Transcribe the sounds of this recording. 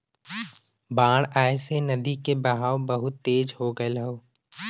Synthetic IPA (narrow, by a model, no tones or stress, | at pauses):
bãːɽ̃aːesenɐd̪ikebɐɦaːwbəɦʊt̪ːeːd͡ʒɦoɡəelɦoː